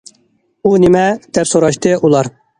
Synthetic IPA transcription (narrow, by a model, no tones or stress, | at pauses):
unɪmɛd̪̥ɛpsoɾɑʃt̪ɨʔulˠɑɾ